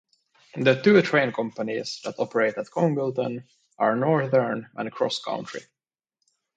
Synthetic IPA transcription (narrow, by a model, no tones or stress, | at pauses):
ðət̪uːtʰɹẽɪ̃nkʰʌ̃mpənizðætɔpəɹeɪtæt̪̚kʰɔ̃ŋbɪlˠtə̃n | ʔɑɹnɔɹθə˞nə̰̃nkʰɹɔ̰skʰã̰ʊ̃ntʰɹḭ